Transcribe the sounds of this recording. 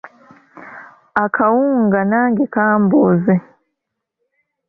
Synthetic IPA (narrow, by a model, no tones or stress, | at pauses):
akʰawuːŋɡanaːŋɡikaːmboze